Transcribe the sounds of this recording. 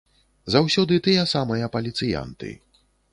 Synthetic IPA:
zawsʲɔd̪ɨt̪ɨjɐsamɐjɐpɐlʲit̪sɨja̰nt̪ɨ̰

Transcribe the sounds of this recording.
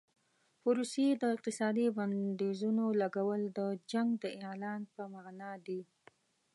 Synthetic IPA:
pʊɾused̪əɪq̚t̪ɪsɑd̪iband̪izunolaɡawəld̪əd͡ʒaŋɡd̪əʔelɑnpəmanɑd̪i

